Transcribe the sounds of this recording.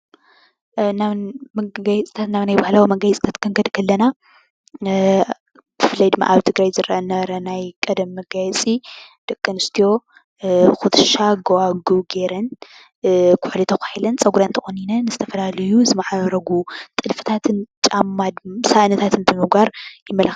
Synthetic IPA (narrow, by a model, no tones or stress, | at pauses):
naβmɐɡajɛt͡sʼi̥t̪ʰat̪naβnajbahlawmɐɡajɛt͡sʼi̥t̪ʰat̪kʰɨŋɡɐd̪kʰɐlːɐna | b̥ɨfɨlɐjd̪ɨmːa̰ʔaβt̪ʰɨɡɾajzɨɾʔɐʔɐnɐɾɐnajkʼɐd̪ɐmːɐɡajɛt͡sʼid̪̥ɐkʼːɨnɨst̪ʰijo̞ | xut̪ʰʃaɡowaɡuɡeɾɐn | kʰʊħlit̪ʰɐxʷaħilɐnt͡sʼɐɡuɾɐnt̪ʰɐxʼoninɐnɨzɨt̪ʰɐfɐlalɐjuzɨmɐʕaɾɐɡut̪ʼɨlfɨ̥t̪ʰat̪ʰɨnt͡ʃʼamːad̪saʔnɐt̪ʰat̪ʰɨnbɨmɨɡaɾjɪmːɐlɐx